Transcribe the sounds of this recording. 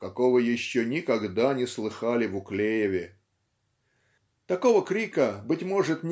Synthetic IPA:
kɐkovəjɪɕːonʲɪkɐɡd̪anʲɪslˠɨxalʲɪvʊklʲejɪvʲɪ | t̪ɐko̞vəkɾʲikəbɨtʲmo̞ʐɨt̪nʲ

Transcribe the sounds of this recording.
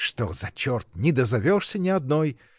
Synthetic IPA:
ʂt̪ozɐt͡ɕort̪̚nʲɪd̪əzɐvʲoʂsʲənʲɪɐd̪noj

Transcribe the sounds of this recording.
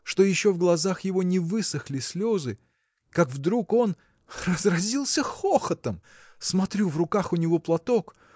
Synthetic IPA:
ʂt̪o̞jɪɕːo̞vɡlˠɐzaxjɪvo̞nʲɪvɨsəxlʲɪsʲlʲozɨ | kakvd̪ɾuko̞n | rəzrɐzʲilˠsʲəxoxət̪əm | smɐt̪ɾʲuvrʊkaxʊnʲɪvo̞plˠɐt̪o̞k

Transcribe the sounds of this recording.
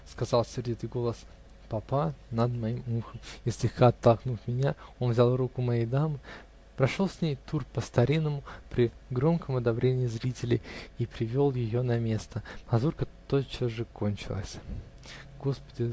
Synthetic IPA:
skɐzɑlˠsʲɪrdʲit̪ɨjɡo̞lˠəs | pɐpanəd̪mɐimumxəmisʲlʲɪxkaɐt̪ːɐlˠknufmʲɪnʲao̞nvzʲalˠrukʊmɐjejd̪amɨ | pɾɐʂo̞lˠsʲnʲejt̪urpəst̪ɐɾʲinːəmʊpɾʲɪɡɾo̞mkəmɐd̪ɐbɾʲenʲɪjɪzɾʲitʲɪlʲɪ̰jipɾʲɪvʲo̞lˠjɪjo̞nɐmʲe̞st̪əmɐzurkət̪ot͡ɕoʐɨkʰo̞nʲt͡ɕɪlˠə̰sʲ | ɡo̞spə̥dʲɪ

